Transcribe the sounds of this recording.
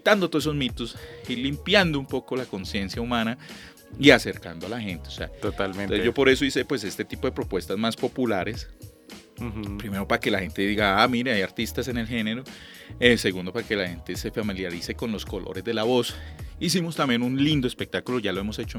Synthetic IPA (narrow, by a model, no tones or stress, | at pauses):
t̪and̪ot̪oesozmit̪usilimpjand̪oumpo̞ko̞lako̞nsje̞nsjaumãna | iase̞ɾka̰nd̪oalaxe̞nt̪eoseaot̪almẽed͡ʒopo̞ɾe̞soise̞pwe̞se̞st̪e̞t̪ipoðepɾo̞pwe̞st̪azmaspo̞pulaɾe̞s | pɾime̞ɾo̞paake̞laxe̞nt̪e̞ðiɣɡaamiɾeajaɾt̪ist̪ase̞ne̞lxe̞ne̞ɾo̞ | ese̞ɣund̪o̞paɾake̞lahe̞nt̪ese̞familjaɾise̞ko̞nlo̞sko̞lo̰ɾe̞zd̪e̞laβo̞sis̬imost̪ambjenunlind̪oespek̚t̪akulo̞ʝalo̞e̞mo̞se̞t͡ʃo